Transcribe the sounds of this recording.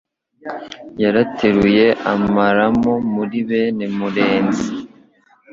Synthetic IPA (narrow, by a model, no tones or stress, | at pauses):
jaɾatʰeɾuje̞ʔa̰maɾamomuɾiβenemuɾeːnzi